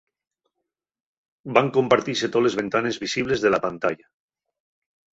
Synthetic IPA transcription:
baŋkompaɾt̪iset̪olezβent̪anezβisiβ̞lezðelapant̪aʎa

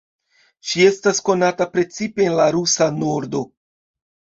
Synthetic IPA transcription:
ʃie̞stasko̞natapɾe̞t͡sipe̞ːnlaɾusano̞ɾdo̞

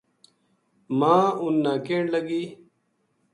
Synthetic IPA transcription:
mãːunːaːkeːɳlɐɡiː

